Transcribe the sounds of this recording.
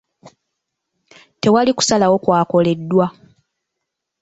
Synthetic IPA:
te̞waliku̥salawo̞kwaːko̞le̞dːwa

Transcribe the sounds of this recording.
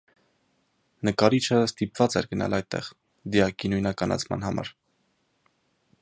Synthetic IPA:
nəkɑɾit͡ʃʰəst̪ipv̥ɑt͡sɛɾɡənɑ̰lɑj̚t̪ːɛ̰ʁ | d̪iɑkinujnɑkɑnʔɑ̰t͡sʰmɑ̰nɦɑmɑ̰ɾ

